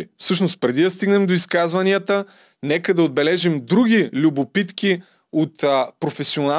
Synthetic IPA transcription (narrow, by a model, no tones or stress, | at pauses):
fsɤʃnost̪̚pɾɛd̪id̪ɐst̪iɡnɛmd̪oiskazvɐniət̪ə | nɛkəd̪ɐod̪̚bɛlɛʒimd̪ɾuɡ̟ʲilʲubopit̪ki | ot̪pɾofɛsiona